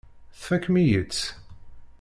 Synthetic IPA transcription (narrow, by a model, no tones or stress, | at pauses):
θfækːmijət͡s